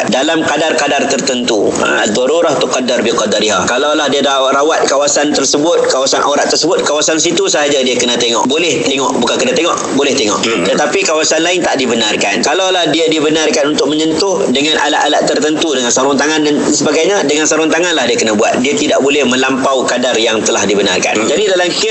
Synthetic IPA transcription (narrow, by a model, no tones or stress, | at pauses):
dalamkadarkadart̪ərt̪ənt̪ṵ | ad̪ɔɾuɾaht̪ʊkːadarbiqadaɾiɦakalalahdiada | ɾawat̪̚kawasant̪ərsəbʊt̪̚kawasanʔoɾaʔt̪ːərsəbʊt̪̚kawasans̬it̪usəɦad͡ʒadiakənãt̪eŋɔ̰ʔbolɛht̪eŋɔʔbukankənat̪eŋɔʔbolɛht̪eŋɔ̰ʔ | t̪ət̪apikawasanlaɪnt̪aʔdibənarkankalalahdiadibənarkanunt̪ʊk̚məɲənt̪ʊhdəŋanʔa̰la̰ʔalaʔt̪ərt̪ənt̪udəŋansaɾɔŋt̪aŋandan | səbaɡajɲadəŋansaɾɔŋt̪aŋanlahdiakənabua̰t̪̚diat̪idaʔbolɛhmə̃lampawkadarjaŋt̪əlahdibəna̰rka̰nd͡ʒadidalamkɪ